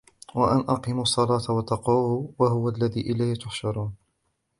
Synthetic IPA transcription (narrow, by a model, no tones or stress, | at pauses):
waʔanʔɑqiːmsˤːɑlɑːt̪awɑt̪ːɑquːwaɦʊwalːaðiːʔɪlaːhɪt̪ʊħʃɑɾˤuːn